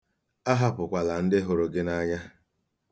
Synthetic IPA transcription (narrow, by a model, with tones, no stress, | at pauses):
a˦ɦa˦pʊ˨kʷa˨la˨n̩˦dɪ˦ɦʊ˨ɾo˦ɡɪ˦na˦ɲa˦